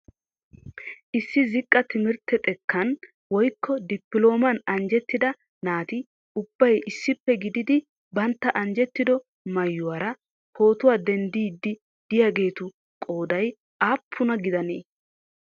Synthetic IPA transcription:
ʔɪsːɪzɪkʼːɐt̪ɪmɪɾt̪ɛt̪ʼɛkʰːɐn | wɔjkʰːɔd̪ɪpːɪlo̞ːmɐnɐnd͡ʒɛt̪ːɪd̪ɐ | naːt̪ɪ | ʊbːɐjɪsːɪpːɛɡɪd̪ɪd̪ɪ | bɐnt̪ːɐʔɐnd͡ʒɛt̪ːɪd̪ɔ | mɐjːʊwaːɾɐ | ho̞ːt̪ʊwaːd̪ɛnd̪iːd̪ːɪ | d̪̥ɪjaːɡe̞ːt̪ʊ | kʼo̞ːd̪ɐj | aːpʰːʊnɐɡɪd̪ɐnḛː

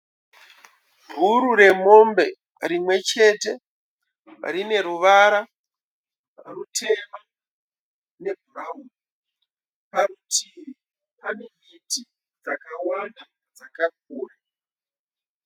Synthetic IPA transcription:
ɦuɾuɾe̞mo̞mbe̞ | rimwe̞t͡ʃe̞te̞ | rine̞ɾuʋaɾa | rutʰe̞ma | ne̞bʱurauni | parutʰiri | panemiti | d͡zakawanda | d͡zakak̚uːra

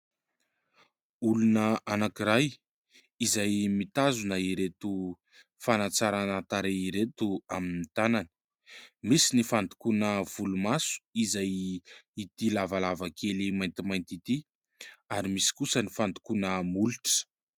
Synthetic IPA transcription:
ulunəanakiɾaj | izajmit̪azunəiɾet̪u | fanat͡saɾanət̪aɾeiɾet̪uaminit̪anani̥ | misinifand̪i̥kunəv̥ulumasu̥izajit̪ilavalavakʰelimajnt̪imajnt̪it̪i | aɾimisi̥kusənifand̪i̥kunəmuluʈ͡ʂə̥

